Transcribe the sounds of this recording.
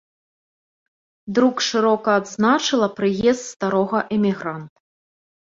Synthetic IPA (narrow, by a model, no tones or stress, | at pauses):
d̪ɾukʂɨɾɔkɐːd̪znat͡ʂɨlˠɐpɾɨjɛst̪st̪aɾɔɣɐʔɛmʲiɣɾant̪u̥